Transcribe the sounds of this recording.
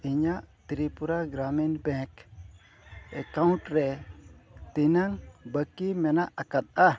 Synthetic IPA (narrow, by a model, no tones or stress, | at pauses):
iɲaʔt̪ɾipuɾaɡɾamɛnbɛ̃k | ɛkawnʈɾɛ | t̪inaŋbəkimɛnaʔakat̪̚a